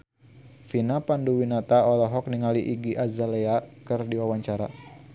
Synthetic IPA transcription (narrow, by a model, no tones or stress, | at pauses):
finapanduwinat̪aɔlɔɦɔk̚niŋaliʔiɡiʔazaleakərdiwawaɲt͡ʃaɾa̰